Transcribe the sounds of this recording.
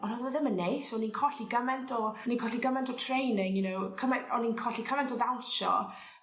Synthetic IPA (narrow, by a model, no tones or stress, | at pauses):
ɔnaðəðɪmənːejsoninkʰɔɬiɡəmɛntʰɔninkʰɔɬiɡəmɛntʰɔtʰrejnɪŋjʊnowkʰəmɛɔninkʰɔɬikʰəmɛntʰɔðawʃɔ̰